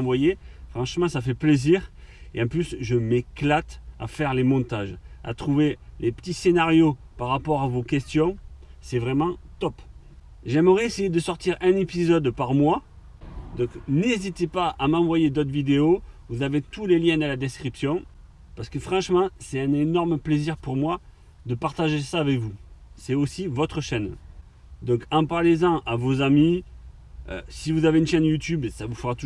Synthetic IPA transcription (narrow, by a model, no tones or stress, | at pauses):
vwajefχɑ̃ʃmɑ̃safɛpleziʁ | eɑ̃plysʒəmeklat̪a̰fɛʁlemɔ̃t̪aʒa̰t̪χuvelʔepə̥t̪isenaʁjopaʁapɔʁavokʲɛst̪jɔ̃sɛvʁɛmɑ̃t̪ɔp | ʒɛməʁɛesejed̪əsɔʁt̪iʁɛ̃nepizɔd̪paʁmwa | d̪ɔ̃knezit̪epaʔamɑ̃vwajed̪ɔt̪χvid̪eovuzavet̪uleljɛ̃d̪əlad̪ɛskχipsjɔ̃ | paʁsə̥kəfχɑ̃ʃmɑ̃sɛt̪ɛ̃nenɔʁmpleziʁpuʁmwa | d̪əpaʁt̪aʒesaːvɛkvusɛosivɔt̪χəʃɛn | d̪ɔ̃kɑ̃paʁlezɑ̃ʔavozami | ø̰sivuzaveynʃɛnjut̪ybsavufəʁat̪u